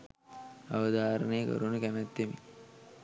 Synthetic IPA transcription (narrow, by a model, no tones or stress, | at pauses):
aʋəd̪aːɾənejəkə̰ɾunəkænæt̪ːemḭ